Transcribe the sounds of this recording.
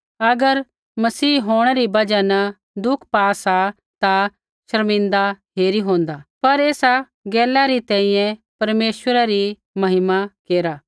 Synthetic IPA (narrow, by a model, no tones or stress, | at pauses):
ɐɡəɾ | mɐsiːɦoːɽ̃ɛɾibɐd͡ʒanɐ | d̪ʊkʰpaːsa | t̪a | ʃɐɾmɪ̃nd̪aɦeːɾiɦõːnd̪apɐɾeːsa | ɡɛːlaɾit̪ɛ̃ːĩjɛ̃pɐɾmeːʃwəɾaɾi | mɐɦɪmakeːɾaː